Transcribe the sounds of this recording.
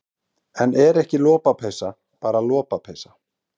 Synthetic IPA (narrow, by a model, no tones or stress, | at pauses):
ɛnɛɾɛhcɪlɔːpapʰeːjsa | paːɾalɔːpapʰeːjsa